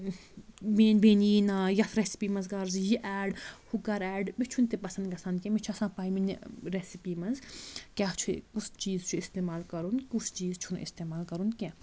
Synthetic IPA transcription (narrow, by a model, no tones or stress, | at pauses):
menbeːniːnãːjɐt̪ʰɾesi̥piːmɐnzɡɐɾzjiʔɛːɖhukɐɾɛːɖbit͡ʃʰunt̪epɐsɐnd̪ɡɐsɐ̃nd̪kʲɛ̃mit͡ʃʰɐsãːpaːjminɾesipiːmɐnzkʲaːt͡ʃʰukust͡ʃiːzt͡ʃʰuist̪eːmaːlkɐɾunkusʰt͡ʃiːzt͡ʃʰun̰ʔḭst̪eːmaːlkɐɾunkʲɛ̃